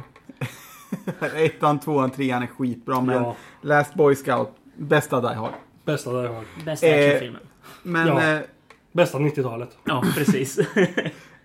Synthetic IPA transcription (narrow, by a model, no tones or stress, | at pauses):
ɛt̪ːhant̪ʰvoːant̪ʰɾeːhanɛɧiːt̪̚bɾɑːmɛnːlæːst̪̚bɔjskaʊt̪ | bɛst̪ad̪a̰jɦɔ̰ɾ | bɛst̪ad̪ajhɔɾɛsɪlmə̰ | mɛn | bɛst̪avnɪt̪ːɪt̪ʰɑːlət̪ɑpʰɾɛsiːs